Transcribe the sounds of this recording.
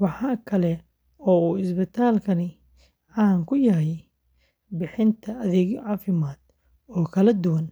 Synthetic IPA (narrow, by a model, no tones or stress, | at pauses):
wɑħɑːkʰɐlɛ | ɔːuːɪsbɪt̪ʰaːlkʰɐnɪ | ʕɑŋkʰʊjɐɦɛj | bɪħɪnt̪ʰɐɐðɛːɣʕɑːfɪmaːd̪̥ | ɔːkʰɐlɐd̪ʊwɐn